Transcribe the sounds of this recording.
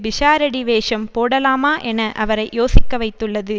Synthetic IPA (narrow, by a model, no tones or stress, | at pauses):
bɪʂaːɾɐɽiʋeːʂɐmpoːɽɐlaːmaːʔɛnɐʔɐʋɐɾɐɪjoːsɪkːɐʋɐɪt̪ːɯɭːɐðɯ